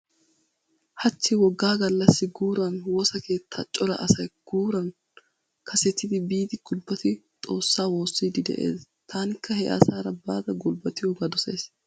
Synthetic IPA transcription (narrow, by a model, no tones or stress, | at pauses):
hɐt͡ʃːɪwɔɡːaːɡɐlːɐsːɪɡuːɾɐnwɔsɐke̞ːt̪ʰːat͡ʃʼːɔɾɐʔɐsɐjɡ̥uːɾɐn | kʰɐsɛt̪ːɪd̪ɪbiːt̪ɪɡʊlbːɐt̪ɪ | t̪ʼo̞ːsːaːwo̞ːsːiːd̪ɪd̪ɛ̰ʔe̞̰ːs | t̪ʰaːnɪkʰːɐhɛʔɐ̰saːɾɐbaːd̪ɐɡʊlbɐt̪ɪjɔɡɐd̪ɔsḛːs